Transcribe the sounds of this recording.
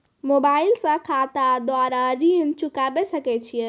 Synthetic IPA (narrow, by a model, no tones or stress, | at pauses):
mobailsə̃kʰat̪ad̪aɾaɾint͡ʃukabesəkɛt͡ʃʰije